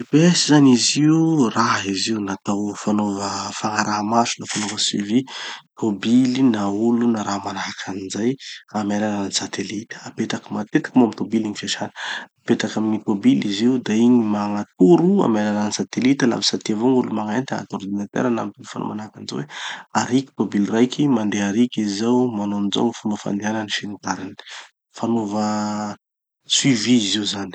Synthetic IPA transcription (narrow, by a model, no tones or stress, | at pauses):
besizaniziuraɦiziunat̪awfanovəfaŋaɾaɦmasunafanovəswḭvit̪ʰobilinaulunaɾaɦmanakʰanizajamelanaansat̪elit̪ə̥apet̪akimat̪et̪ḁkmuamit̪obiliɲifiaʃanə̥apet̪akaminit̪obiliziud̪aiɲimaŋat̪uɾua̰meɾananisat̪elit̪ala̰visat̪iavoŋulumaŋant̪aa̰t̪oɾd̪inat̪ḛɾana̰mit̪inifano̰vanakaniza̰weaɾiki̥t̪obilrajkʲʰimand̪eaɾikʲizawmanond͡zo̰ŋifanofa̰nd̪ianənifenit̪aɾini̥ | fanovə | swiviːziuzani̥